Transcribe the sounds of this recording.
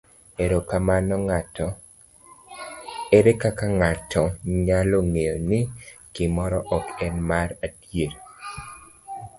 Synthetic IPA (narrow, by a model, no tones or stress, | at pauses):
eɾokamanɔŋ | eɾekakaŋatʰɔɲaloŋejonɪkɪmɔɾɔʔɔkɛnmaɾadjeɾ